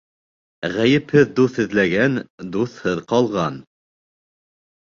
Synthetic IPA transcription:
ʁæjɘ̆phɘðd̪uθhɘ̆ðlæɡænd̪uθhɤðqɑlˠʁɑn

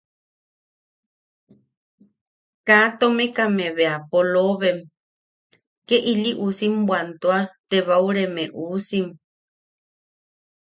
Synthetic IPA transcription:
kat̪omekameβeapoloβem | keʔiliʔusimbwant̪oat̪eβauɾemeʔuːsim

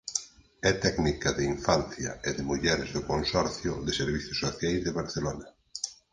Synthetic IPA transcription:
ɛt̪ɛɡnikɐðeiɱfan̟θjɐ̰ɪðɪmuʎɛɾɪzðʊkonsɔɾθjʊðɪseɾβiθjʊsːoθjajzðeβaɾθelonɐ

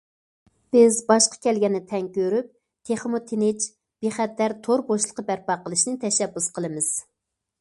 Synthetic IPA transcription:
b̥ɪzbɑʃqɑ̥kʲɛlɡʲɛnːɪt̪ʰɛŋkʲøɾyp̚ | t̪ʰeχmot̪ʰenɪt͡ʃ | b̥eχɛt̪ːæɾt̪ʰoɾboʃlˠəqːɑbæɾpɑqəlˠɨʃnɨt̪ʰɛʃɛbːusqʰəlˠɨmɨz̥

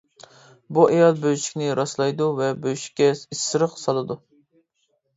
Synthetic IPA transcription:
buɛjɑlˠbøjʃi̥kʲnɪɾɑslˠɑjd̪uvɛbøjʃi̥kʲːɛisːɨɾəqsɑlˠɨd̪u

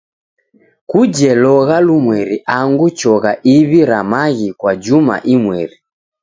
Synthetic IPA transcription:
kud͡ʒɛlɔɣalumwɛɾiʔaŋɡut͡ʃɔɣaʔiβiɾamaɣikwad͡ʒuma̰ʔimwɛɾi

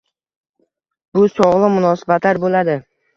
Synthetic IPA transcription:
b̥ʊsɒʁlˠɪmʊnɒsɪ̥bat̪laɾbolad̪ɪ

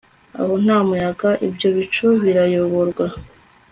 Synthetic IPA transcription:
a̰ho̞n̥haːmujaɡaʔibɟo̞βit͡ʃuβiɾajoβo̞ɾɡwa

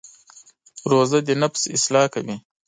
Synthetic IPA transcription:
ɾoːzad̪inafsɪ̰slɑːkawi

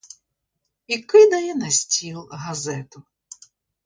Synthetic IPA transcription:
ikɪd̪ɐjɛnɐsʲtʲilˠɦɐzɛt̪ʊ

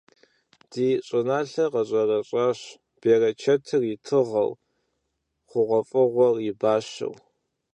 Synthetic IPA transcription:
d̥iːɕʼɪnaːɬɐqɐɕʼɐrɐɕʼaːɕ | b̥eːrɐt͡ʃʰɐtʰɨrjɪtʰɨʁɐ̰w | χʷʊʁʷɔfʼɨʁʷɔrjɪbaːɕɐ̰w

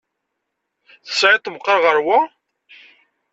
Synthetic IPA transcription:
θə̥sʕɪt̪ˤːəmqːəɾʁəɾwæ

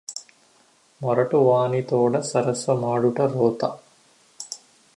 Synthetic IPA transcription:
mɐɾɐʈuʋaːnit̪oːɽɐsɐɾɐsʋɐmaːɽuʈɐɾoːt̪a

